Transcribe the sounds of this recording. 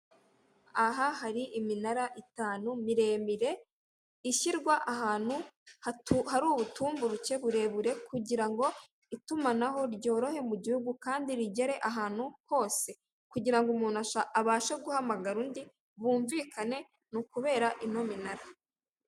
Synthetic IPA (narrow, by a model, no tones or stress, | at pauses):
aɦahaɾiʔiminaɾaʔitaːnumiɾeːmiɾe̞ | iʃiɾɡwaʔaɦaːn̥huhahaɾuːβutuːmbuɾuce̞βuɾe̞βuɾe̞kuɟiɾaŋɡo̞ | itumanaɦo̞ɾɟo̞ːɾo̞he̞muɟihuɡukaːndiɾiɟeɾe̞ʔaɦaːn̥huko̞ːse̞ | kuɟiɾaŋɡomuːnaʃaʔaβaːʃeɡuhamaɡaɾuːndi | βuːɱvikane̞ | nukuβe̞ːɾaʔino̞minaɾa